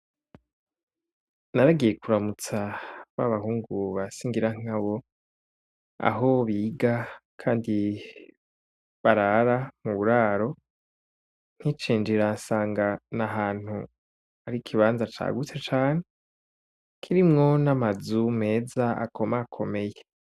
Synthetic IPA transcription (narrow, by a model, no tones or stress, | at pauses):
naɾaɡijekuɾamut͡saβaβahuːŋɡuβasiːŋɡiɾaŋ̥aβo̞ | a̰ɦo̞βiɡakʰaːndi | βaɾaɾamuβuɾaːɾo̞ | n̥hit͡ʃiːnd͡ʒiɾansaːŋɡanaɦaːn̥hu | aɾikʰiβaːnzat͡ʃa̰ːɡut͡set͡ʃaːne | kʰiɾimŋo̞namazume̞ːzaa̰kʰo̞maːkʰo̞me̞je